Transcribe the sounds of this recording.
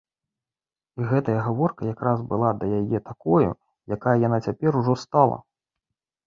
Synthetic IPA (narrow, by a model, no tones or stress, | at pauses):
iɣɛt̪ɐjɐɣavɔrkɐjakɾazbɨlˠad̪ɐjajɛt̪akɔjṵ | jakajɐjan̪at͡sʲapʲɛɾuʐɔst̪alˠɐ̰